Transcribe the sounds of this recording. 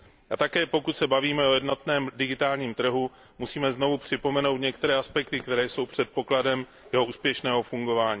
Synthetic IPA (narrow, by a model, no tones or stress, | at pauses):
ʔat̪akɛːpo̞kut̪sɛbaviːmɛʔo̞jɛdnot̪nɛːmdɪɡɪt̪aːlɲiːmt̪r̩ɦu | musiːmɛzno̞vupr̝̥ɪpo̞mɛno̞wt̪ɲɛkt̪ɛɾɛːʔaspɛkt̪ɪkt̪ɛɾɛːjso̞wpr̝̥ɛt̪̚po̞kladɛm | jɛɦo̞ʔuːspjɛʃnɛːɦo̞fuŋɡo̞vaːɲiː